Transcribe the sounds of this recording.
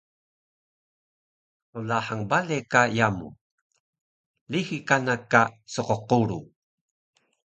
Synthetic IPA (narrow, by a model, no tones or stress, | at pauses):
ulaħaŋbalekajamṵ | lixikanakasuqoquɾu